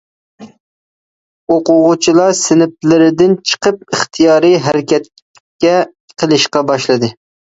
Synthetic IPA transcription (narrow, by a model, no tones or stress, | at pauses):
oqʊʁʊt͡ʃʰilˠɑɾsɪnɪp̚lɪɾɪd̪ɪnt͡ʃʰə̥qəp̚ɨχt̪ʰijɑːɾɨɦæɾɪkʲɛt̪̚ | kʲɛ | qʰəlˠɨʃqɑbɑʃlˠɨd̪ɨ